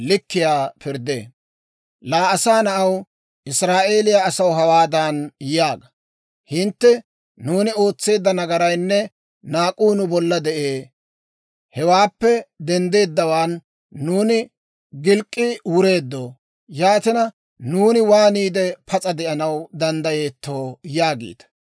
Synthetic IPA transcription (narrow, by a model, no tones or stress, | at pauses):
lɪkːɪjaːpɪɾd̪ḛː | laːɐsaːnɐʔɐw | ʔɪsɾaːʔe̞ːlɪjaɐsɐwɦɐwaːd̪anjjaːɡɐ | hɪnt̪ːɛ | nuːnɪo̞ːt͡sːe̞ːd̪ːɐnɐɡɐɾɐjnːɛ | naːkʼuːnʊbɔlːɐd̪ɛʔeː | hɛwaːpːɛd̪ɛnd̪e̞ːd̪ːɐwaːnː | uːnɪ | ɡɪlkʼːɪwʊɾe̞ːd̪ːo̞ː | jaːt̪ɪnɐ | nuːnɪwaːniːd̪ɛpʰɐt͡sʼɐd̪ɛʔɐnɐwd̪ɐnd̪ɐje̞ːt̪ːo̞ːjaːɡḛːt̪ɐ̥